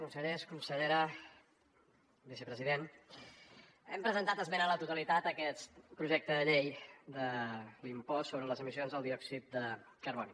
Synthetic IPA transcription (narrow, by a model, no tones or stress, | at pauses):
kunsəʎeskunsəʎeɾə | βisəpɾəziðen | ɛmpɾəzənt̪at̪əzmenələt̪ut̪əlit̪at̪əkɛt̪pɾuʒɛk̚t̪əðəʎejd̪əlimpɔsoβɾələzəmizionzðəlˠd̪iɔksit̪̚d̪ə | kərβɔni